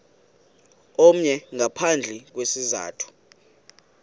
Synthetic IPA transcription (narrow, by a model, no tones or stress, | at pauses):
om̩ɲɛŋʱapʰand͡ɮʱɛk̬wesiza̰ːtʰu̥